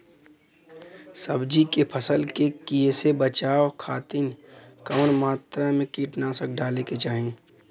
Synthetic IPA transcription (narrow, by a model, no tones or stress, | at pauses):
səbd͡ʒikepʰəsəlkekiesebət͡ʃaːʋkʰaːt̪inkɐʋənmaːt̪ɾamẽkiːʈnasəkɖaːleket͡ʃaːɦẽ